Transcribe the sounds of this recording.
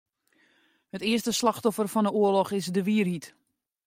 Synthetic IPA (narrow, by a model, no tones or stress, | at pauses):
hətɪəstəslɑxtɔfərfɔndəuəlɔxɪsdəʋiərhit